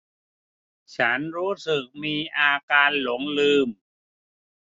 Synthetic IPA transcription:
t͡ɕʰa˦˥nɾuː˦˥sɯ˨˩k̚miː˧ʔaː˧kaː˧nlo˩˦ŋlɯː˧m

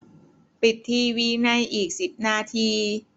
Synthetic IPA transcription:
pi˨˩t̪ʰːiː˧wiː˧na˧˥˨jʔiː˨˩k̚si˨˩p̚naː˧˥˩t̪ʰiː˧

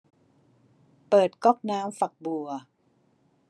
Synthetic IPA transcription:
pɤː˨˩t̪̚kɔ˥˩k̚naː˦˥mfa˨˩k̚bu˨˩ɐ

